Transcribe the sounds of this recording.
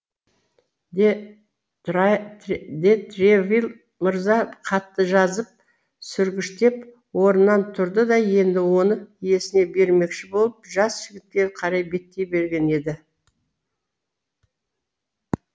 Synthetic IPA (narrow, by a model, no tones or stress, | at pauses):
d̪et̪ɾevilˠ | məɾzɑqʰɑt̪ːəʒɑzəp̚ | sʏɾɡʲɪʃt̪e̞p | wo̞ɾənːɑnt̪ʰʊɾd̪əd̪ɑje̞nd̪ɪwo̞nəije̞sɪne̞be̞ɾme̞kʃɪbo̞lˠəpʒɑsʒ̥ɪɡʲɪt̪̚kʲe̞ɾqʰɑɾɑjbe̞t̪ːe̞jbe̞ɾɡʲe̞ne̞d̪ɪ